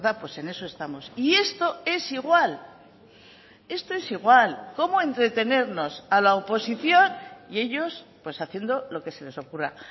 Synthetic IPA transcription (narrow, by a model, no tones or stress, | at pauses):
ðapwe̞se̞ne̞so̞e̞st̪amo̞sie̞st̪o̞e̞siɣwal | e̞st̪o̞e̞siɣwalko̞moẽ̞nt̪ɾe̞t̪e̞ne̞ɾno̞salaopo̞siθjo̞nie̞ʝo̞spwe̞saθje̞nd̪o̞lo̞ke̞se̞le̞so̞kura̰